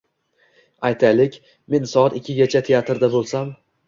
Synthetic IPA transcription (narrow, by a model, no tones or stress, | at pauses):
ajt̪ʰalɪkʲ | me̞nsɒɑt̪ɪkʲʰːɪɡʲat͡ʃʰat̪ʰe̞jat̪ɾd̪abolˠsam